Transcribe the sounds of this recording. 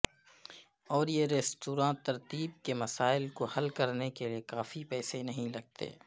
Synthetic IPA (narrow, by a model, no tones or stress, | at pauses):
ɔːɾjeɾeːsʈuːɾãːt̪ːɐɾt̪iːb̚kemɐsaːɪlkohɐlkɐɾnekeliekaːfipɛːsenɐɦĩlɐɡ̚t̪ḛː